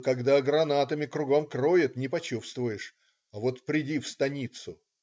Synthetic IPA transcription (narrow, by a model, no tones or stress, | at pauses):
kɐɡd̪aɡɾɐnat̪əmʲɪkɾʊɡomkrojɪt̪nʲɪpɐt͡ɕufst̪vʊjɪʂ | ɐvot̪pɾʲɪdʲifst̪ɐnʲit̪sʊ